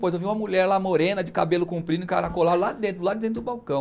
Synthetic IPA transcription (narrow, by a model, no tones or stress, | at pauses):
pojzewviũmɐmuʎɛɾlamoɾẽnɐd͡ʒɪka̰belʊkũpɾĩnʊɪka̰ɾakolad̪ʊlad̪ẽnt̪ɾʊladd̪ẽt̪ɾʊdʊbawkɐ̃w̃